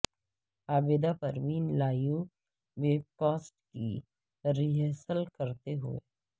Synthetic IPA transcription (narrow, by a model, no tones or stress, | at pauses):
aːbeːd̪apɐɾʋiːnlaːjũ | ʋeːkɔːsʈki | ɾɪɦɛːsəlkɐɾt̪eɦʊ̰ḛ